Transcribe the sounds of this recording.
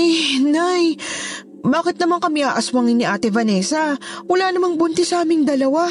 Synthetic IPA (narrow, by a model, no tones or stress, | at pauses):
jnaj | baːkɪt̪nɐmaŋkɐmɪʔaːʔɐswɐŋɪnːɪʔaːt̪ɪvɐnɛsɐwɐlaːnɐmaŋbʊnt̪ɛsɐʔaːmɪŋd̪ɐlɐwa